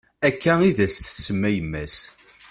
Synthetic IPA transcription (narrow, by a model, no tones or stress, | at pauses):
ækːæiðæst̪səmːæjəmːæs